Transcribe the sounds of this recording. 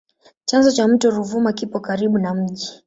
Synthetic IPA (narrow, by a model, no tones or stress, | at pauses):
t͡ʃanzɔt͡ʃam̩tɔɾuvumakipɔkaɾiɓunam̩ʄi